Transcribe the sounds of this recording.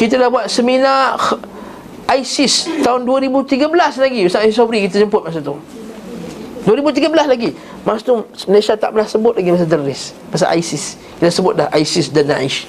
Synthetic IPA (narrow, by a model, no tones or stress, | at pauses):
kit̪adahbuat̪̚səmina | ajsɪst̪aʊnduəɾibut̪iɡəbəlaslaɡiəsaasisabɾikit̪əd͡ʒəmpʊt̪̚masat̪u | duəɾibut̪̬iɡəbəlaslaɡi | masat̪uməleʃat̪a̰ʔpənahsəbʊt̪̚laɡimas̬adərːɪs | mas̬a̰ʔa̰jsɪs | kit̪əsəbʊt̪̚dahʔajsɪsdanːa̰iʃ